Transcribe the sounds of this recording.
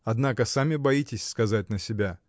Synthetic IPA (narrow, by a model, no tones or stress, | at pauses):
ɐd̪nakəsamʲɪbɐitʲɪsʲskɐzat̚ʲnəsʲɪbʲa